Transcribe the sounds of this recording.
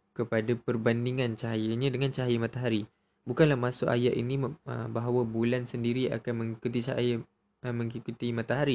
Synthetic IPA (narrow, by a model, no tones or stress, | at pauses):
kəpadapərbandiŋant͡ʃaɦajəɲadəŋãnt͡ʃaɦajəmãt̪aɦaɾi | bukanlahmasʊʔa̰jaʔḭniə̰baɦawabulansəndiɾia̰kanmə̃ŋikut̪it͡ʃa̰jə | mə̃ŋikut̪imãt̪aɦaɾi